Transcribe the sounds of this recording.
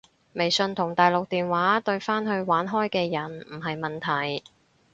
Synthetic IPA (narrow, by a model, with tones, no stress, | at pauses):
me˨˩jsɵ˧nt̪ʰʊ˨˩ŋt̪aː˨jlʊ˨k̚t̪iː˨nwaː˨˥t̪ɵ˧ɥfaː˥nɦɵ˧ɥwaː˨˥nɦɔː˥jkɛː˧jɐ˨˩nm̩˨˩ɦɐ˨jmɐ˨nt̪ʰɐ˨˩j